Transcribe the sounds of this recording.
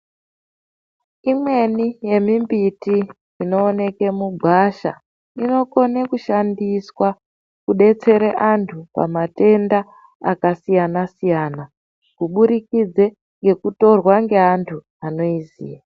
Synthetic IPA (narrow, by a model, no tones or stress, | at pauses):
imwe̞nije̞mimbiti | ino̞ːne̞ke̞muɡʱwaʃa̰ | ino̞ko̞nekuʃandiswa | kuɗe̞t͡se̞ɾeʔantʰupa̰mate̞nda | a̰kasijanasijana | kuɓuɾikid͡ze̞ | ŋɡe̞kuto̞rwaŋɡe̞antʰu | ano̞izḭːja